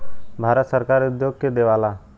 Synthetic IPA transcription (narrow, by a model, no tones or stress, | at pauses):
bʱaɾət̪səɾkaɾud̪joɡ̚ked̪eʋala